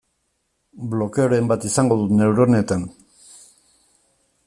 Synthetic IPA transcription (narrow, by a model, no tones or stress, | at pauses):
blo̞ke̞oɾe̞mbat̪isaŋɡo̞ðune̞wɾo̞ne̞t̪an